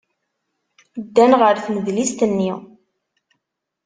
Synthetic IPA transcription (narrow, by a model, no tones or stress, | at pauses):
d̪ːænʁəɾθməðlist̪ənːi